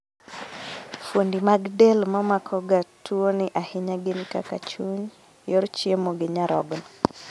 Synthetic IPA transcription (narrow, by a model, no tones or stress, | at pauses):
fondimaɡdelmamakʰɔɡatʰuonɪʔahɪɲaɡɪnkaka̰t͡ʃuɲ | jɔɾt͡ʃiemoɡɪɲaɾɔɡn